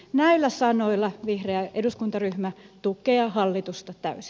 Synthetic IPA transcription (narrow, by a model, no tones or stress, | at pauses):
næilːæsɑnoilːɑʋihreæʔeduskunt̪ɑryhmæt̪ukeɑhɑlːit̪ust̪ɑt̪æ̰ysi̥